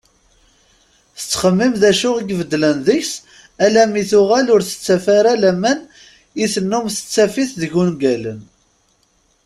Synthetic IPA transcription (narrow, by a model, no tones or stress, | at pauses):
θə̥t͡sːχəmːimðæʃʊʁiɡvəd̪ːlənðəçs | ælæmiθʊʁælʊɾθə̥t͡sːæfaɾalæmæn | iθənːʊmθə̥t͡sːæfiθðəʝunɡælən